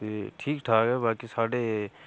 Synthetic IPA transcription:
iʈʰiːkʈʰaːkɛbaːkisaːɖe

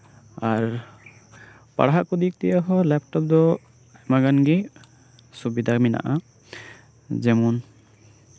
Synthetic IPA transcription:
aɾ | pa̰ɽɦaʔkud̪ik̚t̪ɛjaɦɔlɛpʈɔp̚d̪ɔ | ajmaɡanɡi | subid̪ʱamina̰ʔa | d͡ʒɛmun

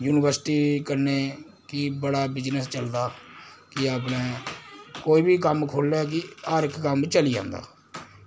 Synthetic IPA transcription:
juːnɪʋəɾsɪʈiːkəɾneː | kɪbəɽaːbɪd͡ʒnəst͡ʃəld̪aːkɪaːpnẽː | koːiːbʱiːkəmkʰoːlɛːk̬ɪaːɾɪkkəmt͡ʃəliːd͡ʒã̰ːnd̪a̰ː

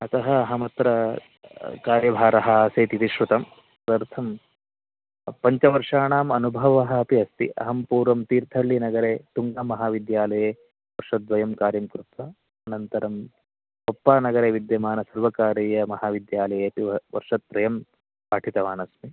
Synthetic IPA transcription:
ɐt̪ɐɦɐːɦɐmɐt̪ɾɐ | kaːɾjɐbʱaːɾɐɦɐaːseːt̪it̪iʃɾut̪ɐm | pɾɐɾt̪ʰɐm | pɐɲt͡ʃɐʋɐɾʂaːɳaːmɐnubʱɐʋɐɦɐɐpiɐst̪iʔɐ̰ɦɐmpuːɾʋɐmt̪iːɾt̪ʰɐɭːinɐɡɐɾeːt̪uŋɡamɐɦaːʋid̪jaːlɐjeː | ʋɐɾʂɐt̪̚ːʋɐjɐmkaːɾjɐmkɾut̪ʋɐ | ɐnɐnt̪ɐɾɐm | pɐpːaːnɐɡɐɾeːʋid̪jɐmaːnɐsɐɾʋɐkaːɾijɐmɐɦaːʋid̪jaːlɐjeːɐt̪iʋɐʋɐ̰ɾʂɐt̪̚ːɾɐjɐm | paːʈʰit̪ɐʋaːnɐsmi

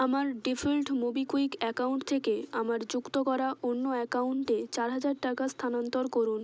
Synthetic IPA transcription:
amaɾɖifʰelʈmobikuikɛkauɳʈt̪ʰekeamaɾd͡ʑukt̪okɔɾaʔonːoɛkauɳʈet͡ɕaɾɦad͡ʑaɾʈakast̪ʰanant̪oɾkoɾun

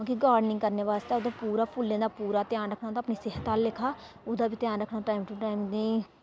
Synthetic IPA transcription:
akiɡaːɾɖnɪ̃ŋɡkəɾneːʋaːst̪aːʊd̪aːpuːɾaːpʊlːẽːd̪aːpuːɾaːt̪ɪjaːnɾəkʰnaːd̪aːpniːsɪːɦət̪aːlːɪkʰaː | ʊd̪aːbʱit̪ɪjaːnɾəkʰnaːʈaːimʈuʈaːimd̪iː

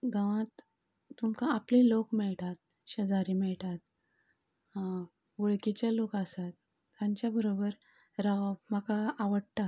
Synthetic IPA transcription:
ɡaʋãt̪ː | umkãaplilokmɛɭʈ̪at̪̚ | ɕəd͡zaɾimɛɭʈ̪at̪̚ | ʋuɭkit͡ɕjalokasat̪ː | jaɲt͡ɕjabəɾobəɾ | ɾamakaːʋəɽʈ̪a

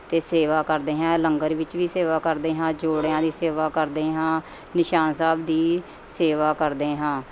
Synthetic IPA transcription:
t̪eːseːʋaːkəɾd̪eːɦɛ̃ːləŋɡəɾʋɪt͡ʃʋiːseːʋaːkəɾd̪eːɦãːd͡ʒoːɽjãːd̪iːseːʋaːkəɾd̪eːɦãː | nɪʃaːnsaːbd̪iː | seːʋaːkəɾd̪eːɦãː

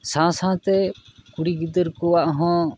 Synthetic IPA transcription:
sãsãːt̪ɛkuɽiɡid̪əɾkɔaʔɦɔ̃

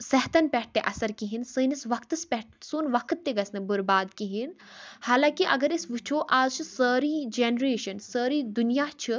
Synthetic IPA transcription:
sɛɦt̪ɐnpɛʈ̚ʈ̪ːeʔɐsɐɾkiɦinsɨːnisʋɐkt̪ɨspɛʈsuːnʋɐkʰt̪ːeɡɐsnɨbuɾbaːd̪kiɦin | haːlãːkiʔɐ̰ɡɐɾisʋut͡ʃʰoːʔaːzt͡ʃʰisəːɾiːd͡ʒeːnɾeːʃɐnsəːɾiːd̪unjaːt͡ʃʰi

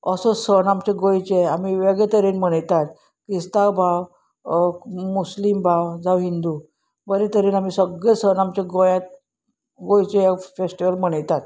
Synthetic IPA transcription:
əsɔsənamt͡ɕeɡojt͡ɕeam̤iʋeɡɭɛt̪əɾenm̤əɽ̃əjt̪at̪ | kɾist̪awbʱaw | muslimbʱawd͡zaʋɦind̪u | bəɾet̪əɾenam̤isəɡɭesənamt͡ɕeɡojãt̪̚ | ɡojt͡ɕefesʈiʋəlm̤əɽ̃əjt̪at̪

